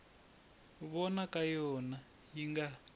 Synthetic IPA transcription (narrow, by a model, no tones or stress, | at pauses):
βɔnakajɔna | jiŋɡa